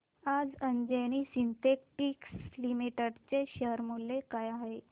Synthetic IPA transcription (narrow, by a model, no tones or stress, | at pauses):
ad͡zəɲd͡ʑeñiːsint̪ekʈikslimiʈəɽt͡seɕəɾmulːekajaɦe